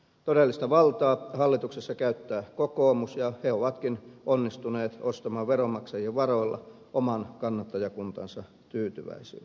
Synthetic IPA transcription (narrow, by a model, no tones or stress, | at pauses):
t̪odelːist̪ɑʋɑlt̪ɑːhɑlːit̪uksesːɑkæyt̪ːæːkokoːmusjɑheoʋɑt̪kinonːist̪uneːt̪ost̪ɑmɑːʋʋeromɑksɑjieʋʋɑroilːɑ̰ | ʔomɑnkɑnːɑt̪ːɑjɑkunt̪ɑ̰nsɑ | t̪yːt̪yʋæ̰isḭlː